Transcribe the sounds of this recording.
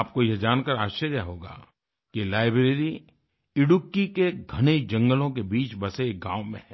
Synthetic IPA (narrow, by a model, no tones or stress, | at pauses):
p̚kojɛd͡ʒaːnkəɾaːʃəɾjaɦoːɡa̰ː | kilaːɪbɾeːɾi | ɪɽʊkːikeɡʱɐñed͡ʒɐ̃ŋɡəlõkebiːt͡ʃbɐseːɡã̰ːʋmḛ̃ɦɛ̃ː